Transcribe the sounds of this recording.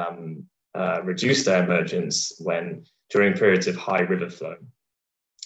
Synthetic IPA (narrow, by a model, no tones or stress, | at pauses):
m | əɹɪd͡ʒʉˑsðəɹɪmɜːˑd͡ʒə̃nswə̃n | d͡ʒ̥ɔːɹɪ̃ŋpʰɪːɹiədz̥əv̥haɪɹɪvəfləʊ